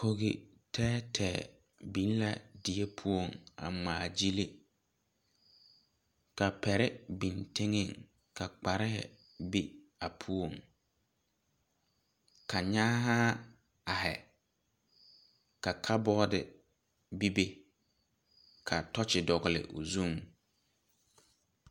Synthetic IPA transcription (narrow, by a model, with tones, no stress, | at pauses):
ko˦ɣɪ˨ | tʰɛː˦tʰɛː˨ | bi˨˦n˦la̰˦˨dɪ˨e˦pʰu˦o˦˨ŋa̰˨ŋ͡maː˨d͡ʒi˦lɪ˦ | ka˨pɛ˨ɾɪ˦bi˨ntɪ˦ŋɪ˦˨ŋ | ka˨k͡pa˨ɾɪ˦hɪ̰˨ | bi˦ | a˨pʰu˦o˨ŋ | kʰa˨ɲaː˦ɦa˦ | a˨hɛ˨ | ka˨kʰa˦bɔ˦dɪ̰˨ | bi˦be˦ | kʰa˨tɔ˦t͡ʃɪ˨dɔ˨ɣɪ˨lɪ̰˨ʔʊ̰˨zu˦˨m